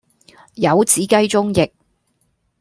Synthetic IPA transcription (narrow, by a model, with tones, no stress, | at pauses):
jɐ˨˧wt͡siː˨˥kɐ˥jt͡sʊ˥ŋjɪ˨˩k̚